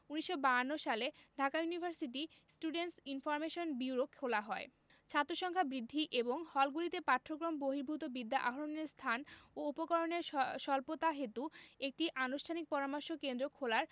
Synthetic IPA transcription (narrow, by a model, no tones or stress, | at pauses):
uniʃːobaanːoʃaleɖʱakajunibʱaɾsiʈi | sʈuɖenʈsinfɔɾmeʃonbiuɾokʰːolaɦɔe | t͡ɕʰat̪ːɾoʃɔŋkʰabɾid̪ʱːiʔeboŋhɔlɡulit̪epaʈʰːɾokɾomboɦiɾbʱut̪obid̪ːaʔaɦoɾoneɾst̪ʰanoupokɔɾoneɾʃɔlpot̪aɦet̪uek̚ʈiʔanuʃʈʰanik̚pɔɾamaɾʃokend̪ɾokʰolaɾ